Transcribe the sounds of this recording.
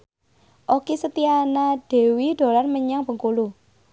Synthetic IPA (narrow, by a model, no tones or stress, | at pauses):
ʔokisət̪ianaɖ̥e̤wiɖ̪̥o̤larməɲaŋbə̤ŋkulu